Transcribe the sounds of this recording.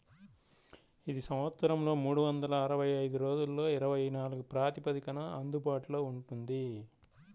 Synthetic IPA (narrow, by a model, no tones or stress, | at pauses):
id̪isɐ̃mʋɐt̪sɐɾɐmlo̞ːmuːɽuʋɐnd̪ɐlɐːɾɐʋɐjɐjd̪uɾo̞ːd͡ʒulːo̞ːiɾɐʋɐjnaːluɡupɾaːt̪ipɐd̪ikɐnɐɐnd̪ubaːʈuloːuɳʈund̪i